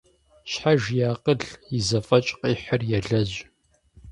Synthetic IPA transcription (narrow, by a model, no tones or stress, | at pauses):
ɕħaʒjaːqʼəɮizɐfʼɐt͡ʃʼqʼiːħərjɛɮɐʑ